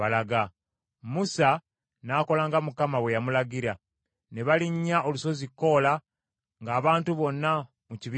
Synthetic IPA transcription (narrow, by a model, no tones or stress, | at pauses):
alaɡa | musa | naːko̞laːŋɡamukamaβwe̞jamulaɡiɾa | ne̞βaliɲːaʔo̞luso̞zikːo̞la | ŋɡaːβaːntuβo̞nːa | muciβi